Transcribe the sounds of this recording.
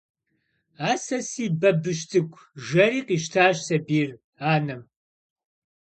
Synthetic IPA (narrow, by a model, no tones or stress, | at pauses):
aːsɐsiːbɐbɨʃtʰɨkʷʰʼ | ʒɐriːqiːʃtʰaːʃsɐbiːr | aːnɨm